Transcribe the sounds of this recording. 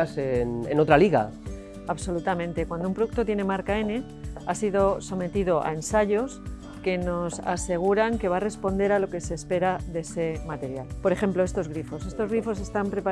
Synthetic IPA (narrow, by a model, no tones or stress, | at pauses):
senḛno̞t̪ɾaliɣa̰ | aβso̞lut̪amẽ̞nt̪e̞kwand̪oumpɾouk̚t̪o̞t̪je̞ne̞maɾkae̞ne | asiðo̞so̞me̞t̪iðo̞ʔa̰e̞nsaʝo̞s | ke̞no̞sa̰se̞ɣ̞uɾaŋke̞βare̞spo̞nd̪e̞ɾalo̞ke̞se̞ːspe̞ɾaðe̞se̞mat̪e̞ɾjalpo̞ɾe̞xe̞mploest̪o̞zɣ̞ɾifo̞se̞st̪o̞zɣɾifo̞s̬e̞st̪ampɾe̞pa